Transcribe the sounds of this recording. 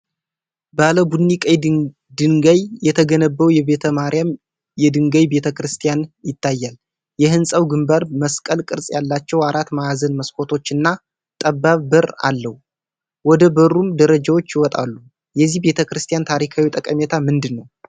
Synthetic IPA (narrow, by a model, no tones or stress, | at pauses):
baləbud̪nikʼaj | d̪ɨŋɡajjɛt̪ʰəɡənəbːəwjɛβe̞t̪ʰəmaɾijam | jɛd̪ɨŋɡəjbe̞t̪ʰəkɾɨst̪ʰijanjɪt̪ːajːal | jɛɦɨnsʼəwɡɨmbəɾməskʼəlkʼɨɾsʼjalːat͡ʃːɛwaɾat̪majazənməskʰo̞t̪ʰo̞t͡ʃːɨnːa | t̪ʼəbːaβbɨɾa̰lːəhu | wɔd̪əbəɾumd̪əɾəd͡ʒawo̞t͡ʃːjɪwɔt̪ʼa̰lːu | jɛzːihbe̞t̪ʰəkɾɨst̪ʰijant̪ʰaɾikʰawit̪ʼəkʼəmɛt̪ʰamɨnd̪ɨnːəw